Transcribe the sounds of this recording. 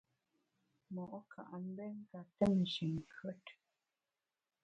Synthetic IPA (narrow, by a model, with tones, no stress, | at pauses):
mɔ˨ʔɔ˦kʰa̰˨ʔa˨m̩˦bɛ˦ŋ̩˦ka˨tɛ˦˨n˨ʃi˨ŋ˨kʰɥə˦t